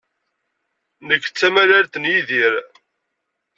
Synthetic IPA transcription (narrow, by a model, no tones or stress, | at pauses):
nəkːt͡sːæmælaɾt̪ənjiðiɾ